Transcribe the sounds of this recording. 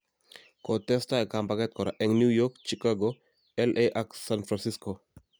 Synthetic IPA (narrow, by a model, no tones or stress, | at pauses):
kɔtɛstaɛkambakɛt̪̚kɔɾaʔɛŋnjujɔkt͡ʃikaɡo | ɛlʔeʔaksanfɾansisko